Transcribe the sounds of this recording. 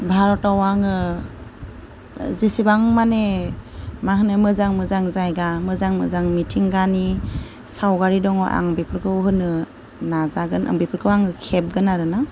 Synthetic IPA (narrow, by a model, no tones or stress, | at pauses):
bʱaɾɔtawaŋɯ | zesibaŋmane | maɦɯnɯmɯzaŋmɯzaŋzajɡamɯzaŋmɯ̰zaŋmitʰiŋɡani | sawɡaɾidɔŋɔʔa̰ŋbipʰɯɾkʰɯɦɯnɯ | nazaɡɯnʔa̰ŋbipʰɯɾkʰɯwaŋɯkʰep̚ɡɯnaɾɯna